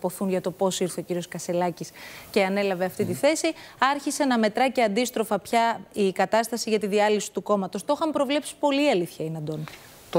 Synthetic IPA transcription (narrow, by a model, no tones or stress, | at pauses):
po̞θunʝɐt̪o̞po̞siɾθe̞ociɾio̞skɐse̞lɐcisce̞ɐne̞lɐve̞ɐft̪it̪iθe̞siɐɾçise̞nɐme̞t̪ɾɐce̞ɐnd̪ist̪ɾo̞fɐpçɐikɐt̪ɐst̪ɐsiʝɐt̪iðiɐlisi̥t̪uko̞mɐt̪ost̪o̞xɐmpɾo̞vle̞psi̥po̞liɐliθçɐinɐd̪o̞n | t̪